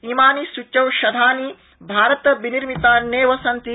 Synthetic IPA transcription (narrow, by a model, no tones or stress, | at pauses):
imaːnisut͡ʃːɐwʃɐd̪ʱaːni | bʱaːɾɐt̪ɐbiniɾmit̪aneːʋɐsɐnt̪i